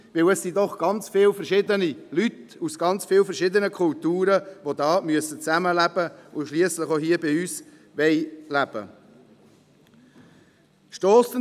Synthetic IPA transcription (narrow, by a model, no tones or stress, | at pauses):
vɪlɛsːidɔχɡ̥ɑnt͡sfɪlfɛɾʃɪd̪ənilytusɡ̥ɑnt͡sfɪːlfɛɾʃɪd̪ənəkʰʊltuːɾəvod̪ɑːmyəsət͡sæməlæbəʊʃliəsləχoɦiəbɪyːs | ʋɛɪlæb̥ə̰ | ʃtɔːstə